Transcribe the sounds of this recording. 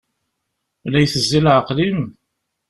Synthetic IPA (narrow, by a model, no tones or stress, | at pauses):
læjθəzːilʕəqlim